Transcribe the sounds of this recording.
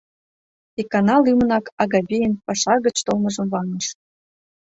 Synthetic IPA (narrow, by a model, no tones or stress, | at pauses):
ikɑnɑlymə̆nɑkʰɑɣɑβʲijənpɑʃɑɣə̆t͡ɕt̪olmɤ̆ʒɤ̆mvɑŋəʃ